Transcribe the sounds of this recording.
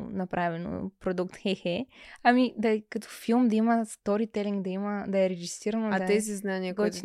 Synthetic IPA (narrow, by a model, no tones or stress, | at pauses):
nɐpɾʔavɛno̰pɾod̪ukt̪xɛxɛɐmid̪ɐkɐt̪ɔ̥filˠmd̪ɐimɐst̪ɔɾit̪ɛliŋɡd̪ɐimɐd̪ɐɛɾɛɡist̪ɾiɾɐnoat̪ɛziznanʲakɔt̪